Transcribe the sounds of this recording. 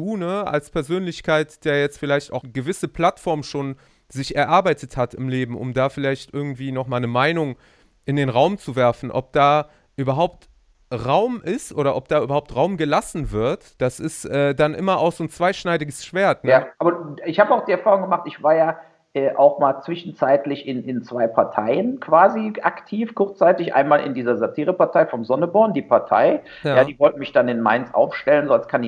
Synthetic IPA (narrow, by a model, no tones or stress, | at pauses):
d̥uːnəa̰lspʰɛɐzøːnlɪçkʰaɪtd̥eːɐjɛt͡stfɪlaɪçta̰ʊxəɡəvɪsəpʰl̥atfɔɐmʃoːn | zɪçɛɐʔaɐbaɪtʰəthatɪmleːbm̩ʔʊ̰mdaːfɪlaɪçtʔɪɐɡŋ̩tv̥iːnɔχmaːlnəmaɪnʊŋ | ʔɪndeːnʁaʊmt͡suvɛɐfn̩ʔɔ̰p̚d̥aː | ʔyːbɐɦaʊpt | ʁaʊmʔɪstʔoːɾɐʔɔp̚d̥aːʔyːbɐhaʊptʁaʊmɡəlasn̩vɪɐtd̥asɪstʔɛːdanʔɪ̰mɐʔa̰ʊxz̥oːnt͡sv̥aɪʃnaɪdɪɡəsʃv̥eːɐtnaʔaːbɐɪçhaːbəaʊxd̥iːɛɐfaːʁʊŋɡəmaχtɪçv̥aːɐjaː | ʔɛːʔa̰ʊxmaːlt͡sv̥ɪʃn̩t͡saɪtlɪçɪnɪnt͡sv̥aɪpʰaɐtʰaɪənkʰv̥aːziʔaktʰiːfkʰʊɐt͡st͡saɪtɪçʔa̰ɪnmaːlʔɪ̰ndiːzɐzatʰiːʁəpaɐtʰaɪfɔmzɔnəbɔɐndiːpʰaɐtʰa̰ɪ | jaːjaːdiːvɔltəmɪçd̥anɪnma̰ɪnsʔa̰ʊfʃtɛlənzoːalskʰan